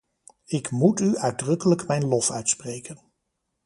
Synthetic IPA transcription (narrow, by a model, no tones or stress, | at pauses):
ɪkmutyœɥdrɵkələkmɛjnlɔfœɥtsprejkən